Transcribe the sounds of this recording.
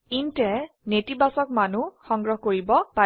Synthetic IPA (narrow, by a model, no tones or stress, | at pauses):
intɛ | netibasɔk̚manuxɔŋɡɹɔɦkoɹibɔpa